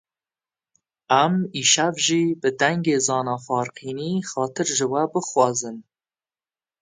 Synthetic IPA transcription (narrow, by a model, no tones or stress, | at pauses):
æmiːʃɛvʒiːbɨd̪ɛŋɡeːzɑːnɑːfɑːɾqiːniːxɑːt̪ʰɨɾʒɨwɛbɨxwɑːzɨn